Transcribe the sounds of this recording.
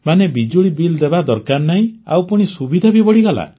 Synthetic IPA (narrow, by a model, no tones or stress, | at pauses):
manebid͡ʒuɽibild̪ebad̪ɔɾkaɾnaɦĩa̰wpuɽ̃isubid̪ʱabibɔɽiɡɔla̰